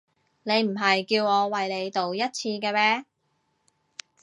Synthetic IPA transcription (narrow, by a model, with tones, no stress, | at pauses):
ne˨˧jm̩˨˩ɦɐ˨jkiː˧wŋɔː˨˧wɐ˨jle˨˧jt̪o˨wjɐ˥t̚t͡sʰiː˧kɛː˧mɛː˥